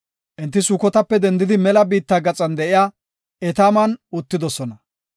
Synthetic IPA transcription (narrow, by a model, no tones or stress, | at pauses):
ʔɛnt̪ːɪsʊkɔt̪ɐpːɛd̪ɛnd̪ɪd̪ɪmɛlɐbiːt̪ːaːɡɐt͡sʼɐnd̪ɛʔɪjaː | ɛt̪aːmɐnʊt̪ːɪd̪ɔsɔnɐ